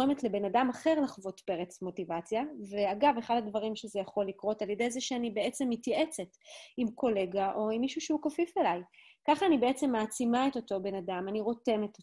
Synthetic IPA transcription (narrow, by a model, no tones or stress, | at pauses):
emetle̞be̞nadamaχe̞ʁlaχvo̞tpe̞ʁet͡smo̞tivat͡sjaveaɡave̞χadadvaʁimʃezejaχo̞likʁo̞taljede̞jzeʃeanibe̞ʔet͡se̞mːitjaʔe̞t͡setimko̞le̞ɡaʔo̞imːiʃuʃeukofifelaj | kaχaːnibe̞et͡se̞mːaːt͡simae̞to̞to̞be̞nadamaniʁo̞te̞met̪o